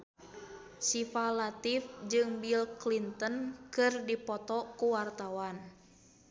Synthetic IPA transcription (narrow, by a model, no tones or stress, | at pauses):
sifalat̪ifd͡ʒɨŋbilklint̪ənkɨrdipɔt̪ɔkuwart̪awan